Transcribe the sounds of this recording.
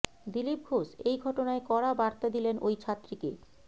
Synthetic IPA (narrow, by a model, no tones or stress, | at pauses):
d̪ilip̚ɡʱoʃejɡʱɔʈonaekɔɾabaɾt̪ad̪ilenojt͡ɕʰat̪ːɾikḛ